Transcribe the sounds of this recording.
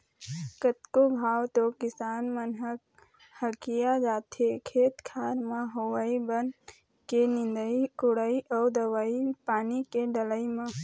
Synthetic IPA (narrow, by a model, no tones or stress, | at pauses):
kət̪kobʱaːwt̪okɪsaːnmənɦək̚ | həkijad͡ʒaːt̪ʰekʰeːt̪kʰaːɾmãɦowaːibən | kenɪ̃nd̪əikʊɽaːiʔɔːd̪əʋaːipaːnikeɖələimã